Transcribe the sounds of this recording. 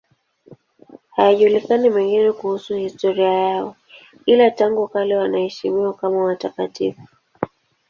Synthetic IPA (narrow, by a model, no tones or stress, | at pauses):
hajaʄulikanimɛŋɡinɛkuhusuhistɔɾiajaɔ | ilataŋɡukalɛwanahɛʃimiwakamawatakatifu̥